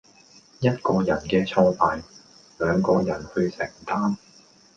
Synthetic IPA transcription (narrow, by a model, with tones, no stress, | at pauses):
jɐ˥t̚kɔː˧jɐ˨˩nkɛː˧t͡ʃʰɔː˧pʰaː˨j | lœː˨˧ŋkɔː˧jɐ˨˩nhɵ˧ɥsɛ˨˩ŋ˨˩t̪aː˥m